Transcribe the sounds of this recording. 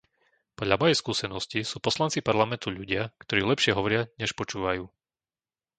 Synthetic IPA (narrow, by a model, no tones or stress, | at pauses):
pɔd̪ʎamɔjɛjskuːsɛnɔscisuːpɔslant͡sipaɾlamɛnt̪uʎuɟɪakt̪ɔɾiːlɛpʃɪɛɦɔʋɔɾɪaɲɛʃpɔt͡ʃuːʋajuː